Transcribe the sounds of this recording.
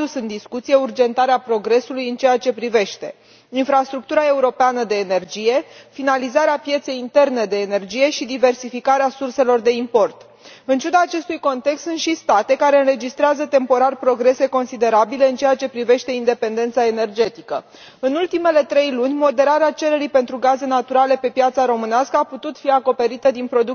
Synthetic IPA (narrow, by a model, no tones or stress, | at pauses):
usɨnd̪iskut̪sije̞urd͡ʒe̞nt̪aɾeapɾo̞ɡɾe̞sulujɨnt͡ʃe̞at͡ʃe̞pɾive̞ʃt̪e̞ | infɾast̪ɾuk̚t̪uɾae̞uɾo̞peanəd̪eːne̞rd͡ʒije̞finalizaɾeapje̞t̪se̞jint̪e̞rne̞d̪e̞ːne̞rd͡ʒije̞ʃid̪ive̞rsifikaɾeasurse̞lo̞rd̪e̞impo̞rt̪ | ɨnt͡ʃud̪aːt͡ʃe̞st̪ujko̞nt̪e̞kst̪unt̪ʃist̪at̪e̞kaɾe̞ɨnɾe̞d͡ʒist̪ɾeazət̪e̞mpo̞ɾarpɾo̞ɡɾe̞se̞ko̞nsid̪e̞ɾabile̞ɨnt͡ʃejat͡ʃe̞pɾive̞ʃt̪e̞ind̪e̞pe̞nd̪e̞nt̪sae̞ne̞rd͡ʒe̞t̪ikə | ɨnult̪ime̞le̞t̪ɾe̞jlunʲmo̞d̪e̞ɾaɾeat͡ʃe̞ɾe̞ɾijpe̞nt̪ɾuɡaze̞nat̪uɾale̞pe̞pjat̪saɾo̞mɨneaskəaput̪ut̪fiako̞pe̞ɾit̪əd̪inpɾo̞d̪uk